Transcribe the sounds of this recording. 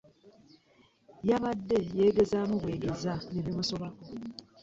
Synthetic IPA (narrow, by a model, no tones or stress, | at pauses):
jaβadːe̞jeːɡe̞zamuβwe̞ːɡezajeβimuso̞βako